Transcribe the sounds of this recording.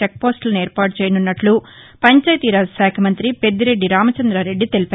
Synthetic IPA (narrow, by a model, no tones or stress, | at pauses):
ek̚po̞ːsʈlɐneːɾpaːʈut͡ʃɛːjɐnunːɐʈlu | pɐɲt͡ʃaːjt̪iːɾaːsaːkʰɐmɐnt̪ɾipe̞d̪ːiɾe̞ɖːiɾaːmɐt͡ʃɐnd̪ɾaːɾe̞ɖːit̪e̞lipaː